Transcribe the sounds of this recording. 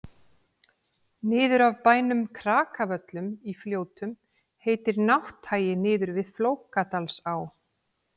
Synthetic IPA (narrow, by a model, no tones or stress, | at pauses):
nɪːðʏɾavpaːjnʏmkʰɾaːkavœt̪lʏmifljoːwt̪ʏm | heːjt̪ɪɾnawht̪ʰːaːjɪnɪːðʏɾvɪðfloːwkat̪alsaw